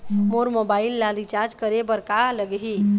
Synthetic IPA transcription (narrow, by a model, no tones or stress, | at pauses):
moɾmobailːad̪it͡ʃaɾd͡ʒkəɾebəɾkaləɡɦi